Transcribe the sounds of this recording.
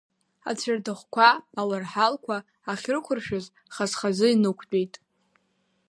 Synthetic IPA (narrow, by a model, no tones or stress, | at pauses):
a̰t͡sʰardɨχʷkʷaalarħalkʷʰaː | χʲrkʷʰʊrʃᶣʊz | χazχazɨinɨkʷʰt͡pʲʼejtʼ